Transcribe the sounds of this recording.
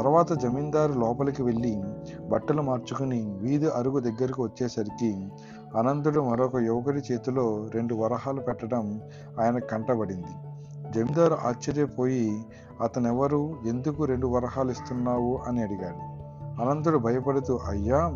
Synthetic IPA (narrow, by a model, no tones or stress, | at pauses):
t̪ɐɾʋaːt̪ɐd͡ʒɐmind̪aːɾulɔːpɐlɐkiʋe̞ɭːibɐʈːɐlumaːɾt͡ʃukuniʋiːd̪uʔɐɾuɡud̪ɐɡːɐɾikiʋɐt͡ʃːeːsɐɾiki | ɐnɐnt̪uɽumɐɾɔkɐjuʋɐkɐɾit͡ʃe̞ːt̪ulo̞ːɾe̞ɳɖuʋɐɾɐɦaːlupɛʈːɐɽɐm | aːjɐnɐkɐɳʈɐbɐɽind̪i | d͡ʒɐmind̪aːɾuʔaːt͡ʃːɐɾjɐpo̞ːji | ɐt̪ɐnɛʋɐɾue̞nd̪ukuɾe̞ɳɖuʋɐɾɐɦaːlist̪unːaːwuʔɐniɐɽiɡaːɽu | ɐnɐnt̪uɽubʱɐjɐpɐɽut̪uʔɐjːaː